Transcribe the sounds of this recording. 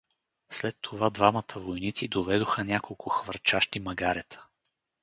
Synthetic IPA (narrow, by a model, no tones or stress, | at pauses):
slɛt̪ʰːovad̪vamət̪ʰəvojnit̪sid̪ovɛd̪oxənʲakolˠkʰʊxvəɾt͡ʃaʃt̪imɐɡaɾɛt̪ʰə̥